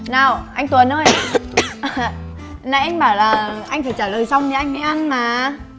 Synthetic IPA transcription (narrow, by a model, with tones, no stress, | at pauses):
naː˨˩wʔa˧jŋ̟t̪wə˨˩nʔəː˧j | na˧˦ʔa˧jŋ̟ɓaː˧˩wlaː˨˩ʔa˧jŋ̟fəː˧˩t͡ɕaː˧˩ləː˨˩jsa˧wŋ͡mni˨˦ʔa˧ŋ̟ha˧˦ʔa˧nmaː˨˩